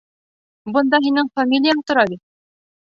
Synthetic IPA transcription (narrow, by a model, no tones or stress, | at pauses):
bɤ̆nd̪ɑɦinɘŋfamʲilʲɪjant̪ŏɾɑβit̪